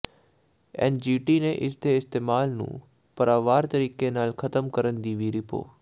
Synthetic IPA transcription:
ḛːnd͡ʒiːʈinẽʔɪsd̪eɪst̪eːmaːlnṵ̃ː | pɐɾaːʋaːɾt̪əɾiːkenaːlxʰɐt̪əmkəɾənd̪iːʋiɾɪpo̰ː

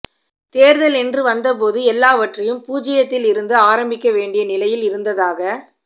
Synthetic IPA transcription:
t̪eːɾðɐlɛndrɯʋɐnd̪ɐp̬oːðɯɛlːaːʋɐʈrɐjɯmpuːd͡ʒɪjɐt̪ːɪlɪɾɯnd̪ɯaːɾɐmbɪkʲːɐʋeːɳɖɪjɐnɪlɐjɪlɪɾɯnd̪ɐðaːɣɐ

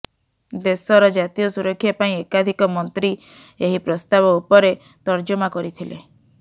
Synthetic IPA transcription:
d̪esɔɾɔd͡ʒat̪ijɔsuɾɔkʰːjapaĩekad̪ʱikɔmɔnt̪ɾi | eɦipɾɔst̪abɔupɔɾe | t̪ɔɾd͡ʒɔmakɔɾit̪ʰile

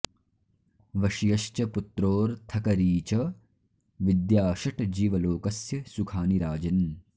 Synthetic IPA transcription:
ʋɐʃijɐʃt͡ʃɐput̪ɾoːɾt̪ʰɐkɐɾiːt͡ʃɐ | ʋid̪jaːʃɐʈd͡ʒiːʋɐloːkɐsjɐsukʰaːniɾaːd͡ʒɐn

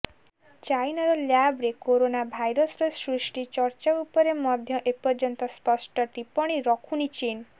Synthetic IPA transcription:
t͡ʃajnɔɾɔljabɾekoɾonabʱajɾɔsɔɾɔsɾisʈit͡ʃɔɾt͡ʃaupɔɾemɔd̪ʱjɔʔepɔɾd͡ʒɔnt̪ɔspɔsʈɔʈipɔɽ̃iɾɔkʰunit͡ʃin

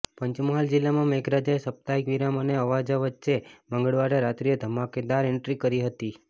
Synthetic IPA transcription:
pəɲt͡ʃməɦald͡ʒilːamãmeɡɾad͡ʒaesəp̚t̪aikʋiɾaməneəʋad͡ʒaʋətːʃeməŋɡəɭʋaɾeɾat̪ɾijəd̪ʱəmaked̪aɾɪɳʈɾikəɾiɦət̪i

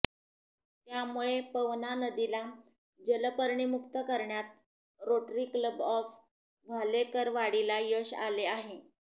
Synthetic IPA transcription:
t̪jamuɭepəʋnanəd̪ila | d͡ʑələpəɾɳimukt̪əkəɾɳjat̪̚ | ɾoʈɾiːkləbɔf | ʋʱalekəɾʋaɽilajəɕaleaɦe

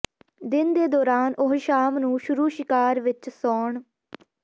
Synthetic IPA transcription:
d̪ɪnd̪eːd̪ɔːɾaːnʔʊɦʃaːmnũːʃʊɾuːʃɪkaːɾʋɪt͡ʃsɔːɳ

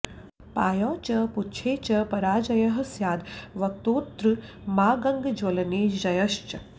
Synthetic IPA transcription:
paːjɔːt͡ʃɐputt͡ʃʰeːt͡ʃɐpɐɾaːd͡ʒɐjɐɦɐsjaːd̪ʋɐk̚t̪oːt̪ɾɨ | maːɡɐŋɡd͡ʒwɐlɐniːd͡ʒɐjɐʃt͡ʃɐ

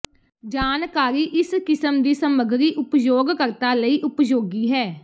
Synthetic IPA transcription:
d͡ʒaːnkaːɾiːʔɪskɪsəmd̪iːsəməɡɾiːʔʊpjoːɡkəɾt̪aːləiːʔʊpjoːɡiːɦɛː

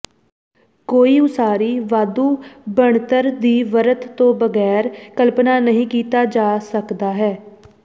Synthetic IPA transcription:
koːiːʊsaːɾiːʋaːd̪uːbəɳt̪əɾd̪iːʋəɾət̪ːõːbəɡɛːɾkəlpnaːnəɦĩːkiːt̪aːd͡ʒaːsəkd̪aːɦɛː

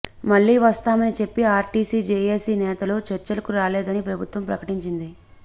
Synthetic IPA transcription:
mɐɭːiːʋɐst̪aːmɐnit͡ʃe̞pːiaːɾʈiːsiːd͡ʒeːeːsiːnɛːt̪ɐlo̞ːt͡ʃɛɾt͡ʃɐlɐkuɾaːlɛːd̪ɐnipɾɐbʱut̪ʋɐmpɾɐkɐʈiɲt͡ʃind̪i

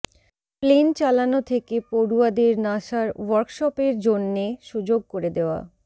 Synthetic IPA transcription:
plent͡ɕalanot̪ʰekepoɾuad̪eɾnaʃaɾwɔɾkʃɔpeɾd͡ʑonːeʃud͡ʑoɡ̚koɾed̪eoa̰

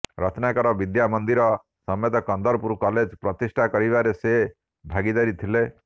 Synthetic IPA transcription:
ɾɔt̪ʰnakɔɾɔbid̪jamɔnd̪iɾɔ | sɔmjɔt̪ɔkɔnd̪ɔɾpuɾkɔled͡ʒpɾɔt̪isʈʰakɔɾibaɾese | bʱaɡid̪aɾit̪ʰile

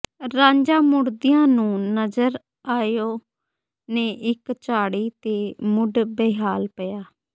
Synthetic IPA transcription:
ɾãːɲd͡ʒaːmʊɽd̪ɪjãːnũːnəzəɾ | aːjoː | neːʔɪkt͡ʃaːɽiːt̪eːmʊɖbeːɦaːlpəjaː

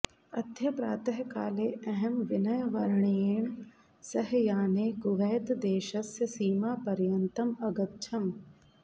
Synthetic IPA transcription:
ɐd̪ʱjɐpɾaːt̪ɐɦkaːleːɐɦɛmʋɪnɐjɐʋɐɾɳeːɳ̃ | sɐɦjaːneːɡʊʋɛːt̪d̪eːʃɐsjɐsiːmaːpɐɾjɐnt̪ɐmɐɡɐt̪ːʃʰɐm

